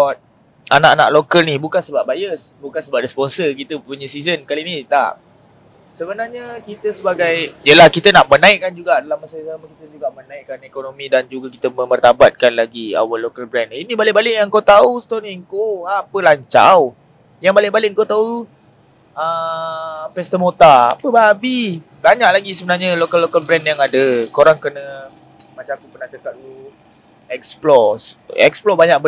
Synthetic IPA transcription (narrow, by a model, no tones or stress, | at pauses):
t̪̚ | anaʔana̰ʔlokəlnibukansəbap̚bajəsbukansəbap̚rɛspɔnsəkit̪əpuɲəsizənkalinit̪a̰ʔ | səbənarɲəkit̪əsəbaɡajjəlahkit̪ənaʔmənãɪʔkːand͡ʒuɡaʔdalamasajsaməkit̪əd͡ʒuɡaʔmənãɪʔkːanekonomĩdand͡ʒuɡakit̪əmə̃mərt̪abat̪̚kanlaɡia̰wəlːokəlbɾɛninibalɪʔbalɪʔjaŋkot̪aust̪oniŋkoapəlaɲt͡ʃa̰w | jaŋbalɪʔbalɪʔŋkot̪au | ə | pɛst̪əmot̪aa̰pəbaabi | baɲaʔ̚laɡisəbənarɲalokəlːokəlbɾɛnjaŋadəkoɾaŋkənə | mat͡ʃamakupərnaht͡ʃat̪at̪̚t̪u | ɛksplɔsʔɛ̰ksplɔbaɲaʔbə